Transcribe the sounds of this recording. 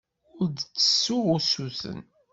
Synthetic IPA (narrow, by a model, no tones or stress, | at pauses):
ʊɾd̪t͡sːə̥sːʊʁʊsuθə̰n